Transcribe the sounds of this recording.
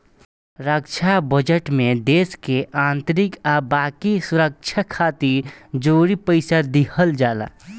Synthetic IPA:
ɾəkt͡ʃʰabəd͡ʒəʈmẽd̪eːskeʔaːnt̪ɾikabaːkisuɾək̚t͡ʃʰakʰaːt̪iɾd͡ʒoːɾipəɪsad̪ikʰəld͡ʒaːla̰

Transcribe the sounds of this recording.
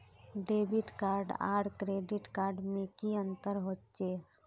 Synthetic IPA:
ɖeːbiʈkaːɾɖa̰ːɽkɾeɖɪʈkaːɾɖmẽkiə̃nt̪əɾɦott͡ʃeː

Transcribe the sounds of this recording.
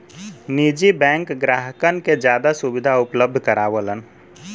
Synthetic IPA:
nid͡ʒibɛ̃ːŋkɡɾaːɦəkənked͡ʒjaːd̪asubɪd̪ʱaʊpləb̚d̪ʱkəɾaːʋələn

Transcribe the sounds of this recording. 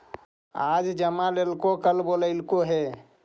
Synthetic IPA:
ad͡ʒd͡ʒəmãlelkokəlboləɪlkoɦe

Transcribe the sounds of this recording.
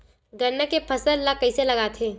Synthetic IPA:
ɡɐɾːəkepʰɐsəllakɐiselɐɡaːt̪ʰeː

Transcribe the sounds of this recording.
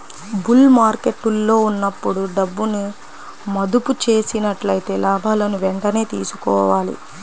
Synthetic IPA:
bulmaːɾkeʈːulːo̞ːunːɐpːuɽuɖɐbːunu | mɐd̪uput͡ʃe̞ːsinɐʈlɐjit̪e̞ːlaːbʱaːlɐnuʋeɳʈɐne̞ːt̪ḭːsu̥kɔ̰ːʋaːlḭ

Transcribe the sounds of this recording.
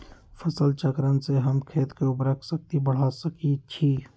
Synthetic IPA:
fʰəsəlt͡ʃəkɾənseɦəmkʰeːt̪keʊpɾəkʰsək̚t̪ibəɽ̤asəkit͡ʃʰiː

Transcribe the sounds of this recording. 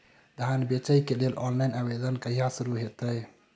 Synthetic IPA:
d̪ʱanbet͡ʃəjkelelʔɔnlajnabed̪ənkəɦijasuɾuɦet̪əj

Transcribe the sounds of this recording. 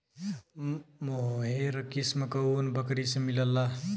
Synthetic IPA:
moɦeɾəkismekəunbəkɾisemiləlːa

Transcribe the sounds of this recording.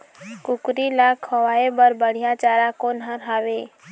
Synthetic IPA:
kukɾilakʰːɔwaebəɾbəɽ̤ijat͡ʃaɾakonɦəɾɦabe

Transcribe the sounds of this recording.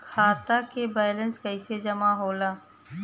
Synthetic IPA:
kʰaːt̪akebaːlə̃nskəɪsed͡ʒɐmaɦoːlaː

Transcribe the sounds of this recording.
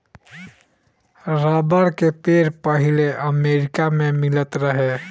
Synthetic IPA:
ɾaːbaɾkepeːɾpəɦɪleʔɐmeːɾɪkamẽmɪlət̪ɾəɦe

